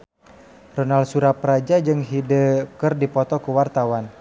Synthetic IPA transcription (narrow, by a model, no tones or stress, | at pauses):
rɔnalsuɾapɾad͡ʒad͡ʒɨŋɦidəkərdipɔt̪ɔkuwart̪awan